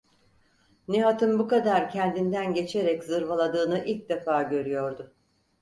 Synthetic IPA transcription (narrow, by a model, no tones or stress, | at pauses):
neɦat̪ʰɯnbukad̪aɾcʰɛnd̪ind̪ænɟe̞t͡ʃʰe̞ɾɛczɯɾvalˠad̪ɯːnɯʔilʲc̚d̪efaːɟø̞ɾyjo̞ɾd̪ʊ